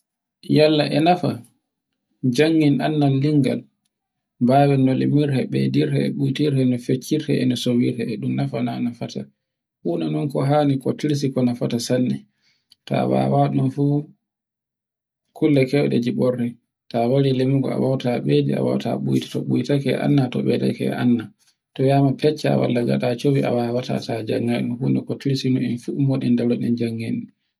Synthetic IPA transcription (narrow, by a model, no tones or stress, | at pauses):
jalːaʔɛnafa̰ | d͡ʒaŋːinanːalːiŋɡa̰l | bawɛnɔlimiɾhɛɓḛdiɾhɛɛ̰ɓujtiɾhɛnɔfet͡ʃːiɾhɛɛnɔsowiɾhɛɛɗumnafananafata̰ | huːnanɔnkɔɦaːnikɔtiɾs̬ikɔnafatasanːɛ | ta̰wa̰waɗunfu | kʰulːɛkɛwɗɛ̰d͡ʒiɓɔɾːɛ | tawaɾilemuɡɔ̰a̰wawtaɓed͡ʒḭa̰wa̰wta̰ɓujtḁtɔɓujtakɛʔa̰nːatɔɓɛta̰kɛ̰ʔa̰nːa | tɔjamapɛt͡ʃːa̰wa̰lːaɡa̰ɗat͡ʃowiʔa̰wawata̰tʰad͡ʒaŋːaɗunhuːnɛkotiɾsinɔnɛnfumɔɗɛndalɔɗɛnd͡ʒaŋːeni